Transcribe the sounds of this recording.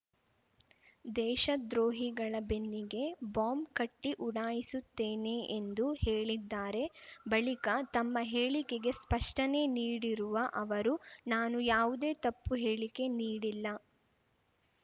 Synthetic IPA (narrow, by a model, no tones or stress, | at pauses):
d̪ɛːʃɐd̪ɾoːɦiɡɐɭɐbe̞nːiɡe̞baːmkɐʈːiʔuɽaːjisut̪ːeːneʔend̪uheːɭid̪ːaːɾe̞bɐɭikɐt̪ɐmːɐɦeːɭikeɡe̞spɐʂʈɐne̞ːniːɽiɾuʋɐʔɐʋɐɾunaːnujaːʋud̪e̞ːt̪ɐpːuɦe̞ːɭike̞niːɽilːɐ